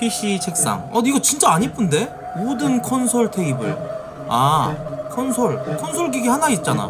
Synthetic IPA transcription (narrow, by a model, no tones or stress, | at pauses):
pʰiɕ͈it͡ɕʰek̚s͈a̰ŋʌiɡʌt͡ɕint͡ɕ͈aːɲip͈ʰunde̞ | modɯnkʰʌnsʰʌɭtʰe̞ibɯɭ | akʰʌnsʰʌɭkʰʌnsʰoɭɡiɡihanait̚t͡ɕ͈ana̰